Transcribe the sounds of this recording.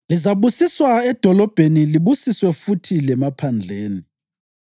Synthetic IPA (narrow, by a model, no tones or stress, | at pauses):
lizaβusiswaɛd̥ʱɔlɔb̥ʱeniliβusiswɛfutʰilɛmapʰand͡ɮʱeːni